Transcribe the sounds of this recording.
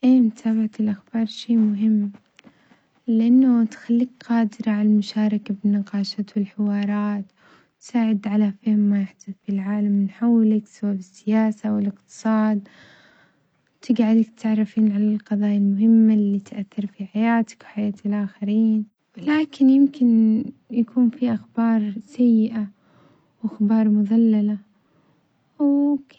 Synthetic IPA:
ʔeːmt̪ʰaːbaʕat̪ɪlʔaxb̥ɑːɾˤʃeːmʊɦɪmː | lɪʔanːat̪xalːiːkqɑːd̪ɪɾɑʕalalmʊʃaːɾˤɑkabɪnːɪqɑːʃat̪wɪlħɪwɑːɾˤɑːt̪ | t̪saːʕɪd̪ʕalafɪːmːajɪħd̪aðfilʕaːlamːɪnħawːlɪksababɪsːɪjaːsawɪlɪqt̪ɨ̥sˤɑːd̪ | t̪ɪɡaʕɪd̪ɪkt̪ʕrˤːɑfiːnʕalalqɑðˤɑːjalmʊhɪmːalːiːt̪ʔaθːɑɾˤfiħajaːt̪ɪ̥kwħajaːt̪lʔaːxaɾiːn | wlaːkɪnjɪmkɪnjakʰuːnfiʔaxbɑːɾˤsajːɪʔa | wʔaxbɑːɾˤmʊðalːala | w

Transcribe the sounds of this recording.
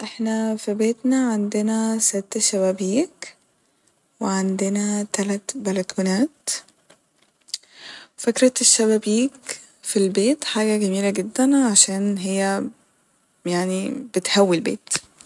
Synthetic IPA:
ʔɪħnæfibeːt̪naʕand̪ɪnæsɪt̪ːʃaβæbiːk | wɪʕand̪ɪnæt̪alat̪bælakʰuːnaːt̪ | wfakɾɑt̪ʃːaβæbiːk | filbeːt̪ħaːɡæɡæmiːlaɡɪd̪ːænʕaʃaːnɦɪjːæ | jaʕnibɪt̪hawːilbḛːt̪

